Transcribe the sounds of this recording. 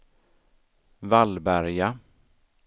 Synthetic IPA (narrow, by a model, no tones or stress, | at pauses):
valbæɾja